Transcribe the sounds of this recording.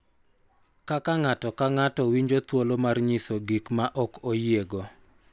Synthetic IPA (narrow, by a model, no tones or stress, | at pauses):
kakaŋatɔkaŋatɔwiɲd͡ʒot̪wolomarɲisoɡikmaʔɔkojeɡɔ